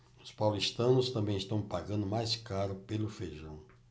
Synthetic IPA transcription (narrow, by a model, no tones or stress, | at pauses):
ʊspawlist̪ɐ̃nʊst̪ɐ̃mbẽj̃ɪst̪ɐ̃w̃paɡɐ̃nd̪ʊmajskaɾʊpelʊfeʒɐ̃w̃